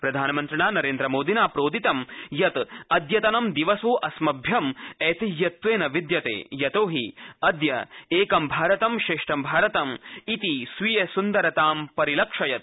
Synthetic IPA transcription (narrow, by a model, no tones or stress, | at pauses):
pɾɐd̪ʱaːnɐmɐnt̪ɾɐɳaːnɐɾeːnd̪ɾɐmoːd̪ʱinaːpɾoːd̪it̪ɐmjɐt̪ɐd̪jɐt̪ɐnɐmd̪iʋɐsoːʔɐsmɐbʱjɐmɛːt̪ijɐt̪ʋeːnɐʋid̪jɐt̪ḛːjɐt̪oːɦiɐd̪jɐeːkɐmbʱaːɾɐt̪ɐmʃeːʂʈɐmbʱaːɾɐt̪ɐmit̪isʋijɐsund̪ɐɾɐt̪aːmpɐɾilɐkʂɐjɐt̪̚